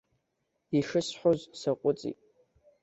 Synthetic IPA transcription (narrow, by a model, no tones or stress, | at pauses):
iʂɨsħʷozsaqʷʼʊt͡sʼḭtʼ